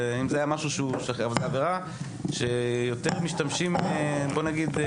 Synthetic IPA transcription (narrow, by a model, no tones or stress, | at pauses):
imzeajamaʃuʃeuʃeχeavalzeaveʁa | ʃe̞jo̞t̪eʁmiʃtamʃimebo̞naɡid̪